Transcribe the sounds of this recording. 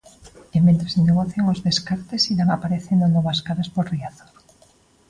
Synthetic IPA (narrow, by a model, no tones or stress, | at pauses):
emːẽnt̪ɾaseneɣ̞oθjaŋozðeskaɾt̪esiɾaŋapaɾeθend̪onɔβaskaðaspoɾriaθo̥ɾ